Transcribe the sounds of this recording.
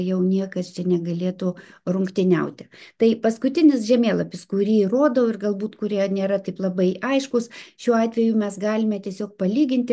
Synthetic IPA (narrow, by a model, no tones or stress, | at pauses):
jɛʊnʲiɛkɐst͡ʃʲɛnʲɛɡɐlʲeːt̪ʊrʊŋkt̪ʲɪnʲɛʊt̪ʲɪt̪ɐɪpɐskʊt̪ʲɪnʲɪsʒʲɛmʲeːlˠɐpʲɪskʊɾʲiːiroːd̪oɪrɡɐlˠbuːt̪kʊɾʲiɛnʲeːɾɐt̪ɐɪplˠɐbɐɪʔɐɪʃkʊsʃʲuːɑːt̪ʲʋʲɛjʊmʲɛsɡɑːlʲɪmʲɛt̪ʲiɛsʲoːk̚pɐlʲiːɡʲɪnʲt̪ʲ